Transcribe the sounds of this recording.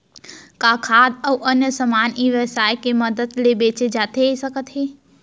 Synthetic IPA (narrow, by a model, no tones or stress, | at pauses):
kaːkʰaːd̪əːʔɐnjəsəmaːniːʋəsaːjkemɐd̪əd̪lebeːt͡ʃed͡ʒaːt̪eesɐkət̪ɦeː